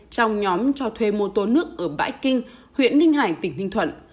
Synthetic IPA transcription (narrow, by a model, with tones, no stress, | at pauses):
t͡ɕɔ˧wŋ͡mɲɔ˨˦mt͡ɕɔ˧t̪ʰwe˧mo˧t̪o˨˦nɨ˦˥ək̚ʔəː˧˩ɓa̰ː˧˥jkï˧ŋ̟hwḭ˧˨ənlï˧ŋ̟ɦaː˧˩jt̪ï˧˩ŋ̟h̪ï˧ŋt̪ʰə̰˧˨n